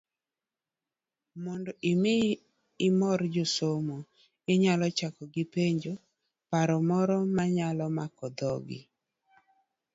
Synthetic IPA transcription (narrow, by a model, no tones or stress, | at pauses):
mɔndoʔimɪ | ɪmɔɾd͡ʒosomo | ɪɲalɔt͡ʃakɔɡɪpeɲd͡ʒo | paɾɔmɔɾɔmaɲalɔmakɔd̪ɔɡɪ̰